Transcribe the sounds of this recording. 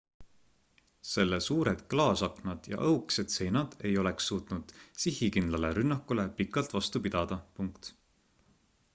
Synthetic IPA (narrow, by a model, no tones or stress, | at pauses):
se̞lːesuːɾed̪̥klɑːsɑknɑd̪̥jɑ̰ʔɤwkse̞d̪̥se̞jnɑd̪̥e̞jo̞le̞ksːuːt̪nud̪̥sihikind̪lɑle̞ɾynːɑkːˑule̞pikːˑɑlt̪vɑst̪upid̪̥ɑd̪̥ɑpuŋkt̪